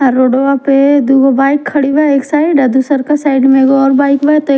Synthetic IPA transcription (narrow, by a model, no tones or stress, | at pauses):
ɾoːɖoaped̪uɡobaːɪkʰːɐɽibaeːksaːiɖad̪usəɾkasaːɪɖmẽɡɔːɾbaːɪkbat̪o